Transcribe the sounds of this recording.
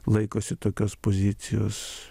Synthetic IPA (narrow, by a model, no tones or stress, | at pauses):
lˠɐɪkoːsʲɪt̪oːkʲoːspoːzʲɪt̪sʲɪjo̰ːs